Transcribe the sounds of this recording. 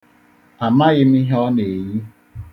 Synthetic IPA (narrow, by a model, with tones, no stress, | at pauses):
a˨ma˦ɣɪ˦m̩i˦ɦɔ˦ne˨ji˦